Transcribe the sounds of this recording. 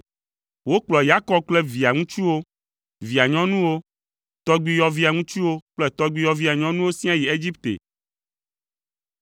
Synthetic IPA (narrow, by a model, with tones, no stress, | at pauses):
wo˦k͡plɔ˨ja˦kɔ˦k͡plɛ˦vi˨a˨ŋũ˦t͡ʃu˦wo˦ | vi˨a˨ɲɔ̃˦nũ˦wo˦ | t̪ɔ˦ɡ͡bi˦jɔ˦vi˦a˨ŋũ˦t͡ʃu˦wo˦k͡plɛ˦t̪ɔ˦ɡ͡bi˦jɔ˦vi˦a˨ɲɔ̃˦nũ˦wo˦sĩ˦a˦ji˨e˦d͡ʑi˦pt̪ḛ˨